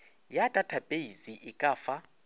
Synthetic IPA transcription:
jatʼatʰab̥ʱʼejiziʔikʼaːfa

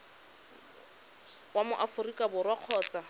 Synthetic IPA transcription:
wamʊʔafʊrikʼabʊrwaq͡χʰɔːt͡sa

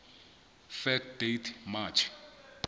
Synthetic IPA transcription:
fɛkd̥etʰmat͡ʃʰ

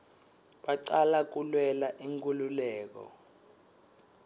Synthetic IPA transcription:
ɓaǀalak̬ulwɛlaʔiŋk̬ʼululɛːk̬ɔ̰

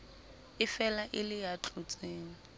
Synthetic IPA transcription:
ɪfɛlaʔɪlɪjat͡ɬʼʊt͡sʼeːŋ̩

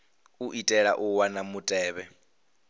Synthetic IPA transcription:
uʔitʼɛɺa̰ʔuwanamutʼɛːβɛ

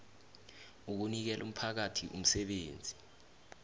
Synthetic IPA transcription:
uk̬unik̬ɛlʔum̩pʰak̬atʰiʔum̩sɛɓeːnd͡zʱi

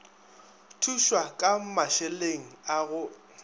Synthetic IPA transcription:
tʰuʃwakʼamaʃɛleŋ̩aɣʊ

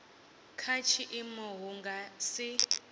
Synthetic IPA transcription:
kʰat͡ʃʰiʔimɔɦuŋɡasi

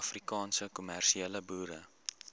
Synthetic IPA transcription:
frikɑːnsəkumærʃiɛləbuːɾə

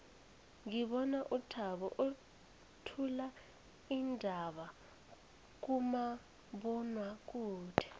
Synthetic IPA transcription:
ŋiɓɔnaʔutʰaɓɔʔo | tʰula | indʱaɓa | k̬uma | ɓɔnwak̬uːd̥ʰʱɛ̥

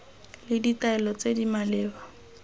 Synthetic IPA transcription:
lɪditaɛlɔt͡sedimalɪːba

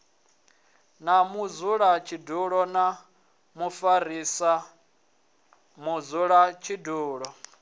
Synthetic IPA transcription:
namud͡zuɺat͡ʃʰiduɺɔna | mufarisa | mud͡zuɺat͡ʃʰiduːɺɔ

